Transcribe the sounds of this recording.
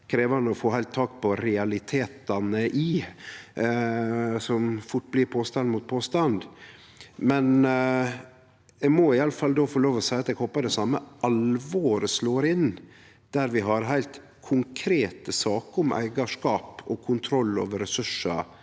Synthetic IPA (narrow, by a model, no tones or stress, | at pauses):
kʰɾeːʋɑnəɔfoːhæɪlt̪ʰːɑːkpɔɾɛɑlɪt̪ʰeːt̪ɑnəʔɪ | sɔmfʊʈ̚ːblɪɾpʰoːst̪ɑnd̪muːt̪̚pʰoːst̪ɑnd̪ | mɛn | ɛɡmɔɪɑləfɑld̪oːfɔɭoːʋɔsæɪɑt̪ɛːɡhoːpːɑd̪ɛsɑmːəʔɑlʋoːɾəsloːɾɪnː | d̪̥æɾʋɪɦɑɾɦæɪlt̪ | kʰʊŋkʰɾeːt̪əsɑːkəʊmʔæ̰ɪɡɑʂkɑːpɔkʰʊnt̪ʰɾɔlːo̰ːʋəɾɛsʉʂɑ̰